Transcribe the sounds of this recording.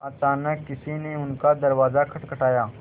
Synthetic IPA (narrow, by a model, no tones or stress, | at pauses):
aːt͡ʃaːnəkkːɪsineʊnkad̪ɐɾʋaːzakʰɐʈkɐʈaːjaː